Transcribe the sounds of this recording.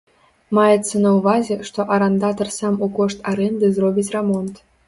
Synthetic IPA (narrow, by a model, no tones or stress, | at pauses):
mɑjet̪t͡sːɤnauvɑzʲeʂt̪oʔaɾand̪ɑt̪ɤrsɑmukoʂt̪aɾend̪ɨzrobʲitʲramont̪